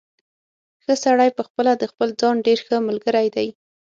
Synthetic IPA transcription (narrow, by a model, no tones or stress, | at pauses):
xəsaɽajpəxpəlad̪əxpəld͡zɑnɖeɾxəmʊlɡəɾajd̪aj